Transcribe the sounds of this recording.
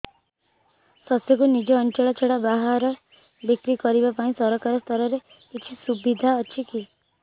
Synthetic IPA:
sɔsjɔkunid͡ʒɔːnt͡ʃɔɭɔt͡ʃʰeɽabaɦaɾɔ | bikɾikɔɾibapaĩsɔɾɔkaɾɔst̪ʰɔɾɔɾe | kit͡ʃʰisubid̪ʱaɔt͡ʃʰiki

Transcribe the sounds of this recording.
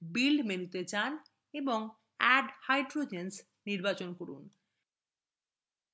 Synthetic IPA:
bilɖmenut̪et͡ɕan | eboŋ | ɛɖhajɖɾod͡ʑens | niɾbat͡ɕonkoɾṵn

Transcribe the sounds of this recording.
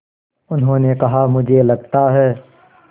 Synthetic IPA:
ʊnɦõːnekɐɦamʊd͡ʒʱelɐɡ̚t̪aɦɛː

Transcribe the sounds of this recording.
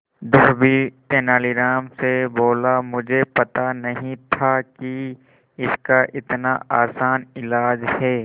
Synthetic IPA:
d̪ʊɦbit̪eːnaːliɾaːmseboːlamʊd͡ʒʱepɐt̪anɐɦĩt̪ʰaki | ɪskaʔɪt̪na̰aːsaːnɪlaːd͡ʒhɛː

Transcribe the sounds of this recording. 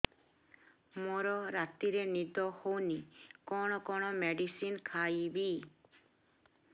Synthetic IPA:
moɾɔɾat̪iɾenid̪ɔhownikɔɽ̃ɔkɔɽ̃ɔmeɖisinkʰajbi

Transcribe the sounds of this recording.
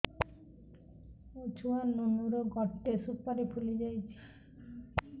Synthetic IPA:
ut͡ʃuanunuɾoɡɔʈːesupaɾipʰuled͡ʑajt͡ɕʰi̥

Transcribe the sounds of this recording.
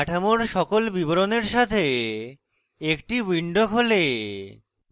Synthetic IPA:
aʈʰamoɾʃɔkolbiboɾoneɾʃat̪ʰe | ekʈiwiɳɖokɦole

